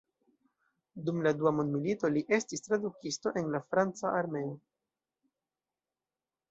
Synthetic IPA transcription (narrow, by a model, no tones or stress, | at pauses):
dumladuamondmilito̞liʔe̞stistɾadukisto̞ʔe̞nlafɾant͡saaɾme̞o